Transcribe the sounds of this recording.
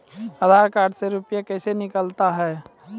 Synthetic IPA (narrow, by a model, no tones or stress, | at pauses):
əd̪ʱaɾkaːɖseɾupjakəsenɪkəlt̪aɦɛː